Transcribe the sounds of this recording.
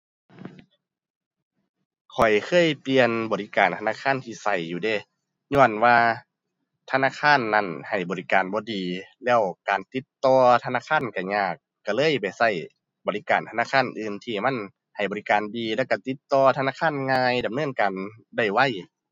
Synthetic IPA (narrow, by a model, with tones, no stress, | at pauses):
kʰɔ˨˩jkʰɤː˧˥˨jpli˨˧ənbɔː˨˩li˦˧˥kaː˨˩nt̪ʰa˧naː˧˥˨kʰaː˧˥˨nt̪ʰiː˧˩sa˧˩jːuː˧deː˧˩ | ɲɔ˧˩ənwaː˧ | t̪ʰa˧naː˧˥˨kʰaː˧˥˨nːa˧˩˨nha˨˩jbɔː˨li˧kaː˨˩nbɔː˧˦diː˨˩lɛː˧˥˨wkaː˨nt̪i˧˦t̪ːɔː˧t̪ʰa˧naː˧˥˨kʰaː˧˥˨nka˧˩ɲaː˧˩kːa˧˩lɤː˧˥˨jpa˨˩jsa˧˩j | bɔː˨˩li˦˥˧kaː˨˩nt̪ʰa˧naː˧˥˨kʰaː˧˥˨nʔɯː˧mt̪ʰiː˧˩ma˧˥˨n | ha˨˩jbɔː˨li˦˧kaː˨ndiː˨lɛː˧˥˩wka˧˩t̪i˧˦t̪ːɔː˧t̪ʰnaː˧˥˨kʰaː˧˥˨nŋaː˧jda˨mnɤː˧˥˨nkaː˨nda˧˩jwa˧˩˨j